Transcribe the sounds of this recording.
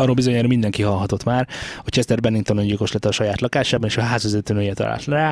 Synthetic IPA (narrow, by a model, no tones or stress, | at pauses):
ɒɾoːlbizo̞ɲaːɾmind̪ɛŋkiɦɒlɦɒt̪o̞t̪maːrot͡ʃʰɛst̪ɛrbɛnːiŋkt̪onoɲɟilko̞ʃlɛt̪ːɒʃɒjaːt̪lɒkaːʃaːbɒneːʃɒɦaːzɒzøt̪ːønøjɛt̪ɒ̰la̰ːlt̪ɾaː